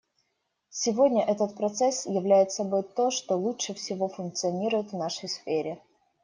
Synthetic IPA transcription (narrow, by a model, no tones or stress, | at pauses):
sʲɪvodʲnʲəʔɛt̪ət̪̚pɾɐt̪sɛsjɪvlʲæjɪt̪sɐbo̞jt̪o̞ʂt̪olˠutʂəfsʲɪvo̞fʊnk̚t̪sɨɐnʲiɾʊjɪt̪vnaʂəjsfʲeɾʲɪ